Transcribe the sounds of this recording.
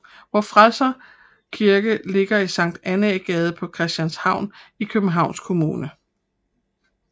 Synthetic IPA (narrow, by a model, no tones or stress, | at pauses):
ʋɒfʁaðsɐ | kʰiɐɡ̥əle̝ɡ̥ɐisɑ̈ŋ̰d̥æneɡ̥ɛːð̞ˠəpʰɒ̽kʰʁɛsd̥jænshɑ̈ʊ̰nikʰøb̥n̩ɦɑ̈ʊ̰nskʰo̝muːnə